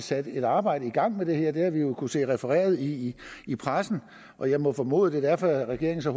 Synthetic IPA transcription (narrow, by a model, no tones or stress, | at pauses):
sæd̥əe̝d̥ɑ̈ːb̥ɑ̈ɪ̰dəiɡ̥ɑ̈ŋ̰med̥e̝hæɐ̰d̥e̝æʋijo̝kʰuse̝̰ːʁɛfəʁɛ̰ːɐðˠiːpʰʁasn̩ | ʔɒ̽jɑ̈ɪmɒ̽fɒ̽mo̝̰ːðˠd̥e̝d̥æɐ̰fɒæʁɛɡ̥e̝ɐeŋn̩sɒ̽h